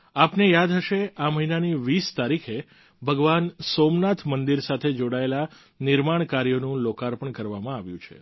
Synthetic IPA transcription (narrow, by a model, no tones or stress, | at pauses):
apnejad̪ɦəʃeaməɦinaniʋist̪aɾikʰe | bʱəɡʋansomnat̪ʰmənd̪iɾsat̪ʰed͡ʒoɽaela | nɪɾmaɳkaɾijonũlokaɾpəɳkəɾʋamãaʋjṵ̃t͡ʃʰḛ